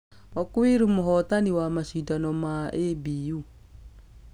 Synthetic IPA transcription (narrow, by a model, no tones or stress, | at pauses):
ɔkwiɾumoɦɔt̪aniwamaʃidanɔmaʔebiu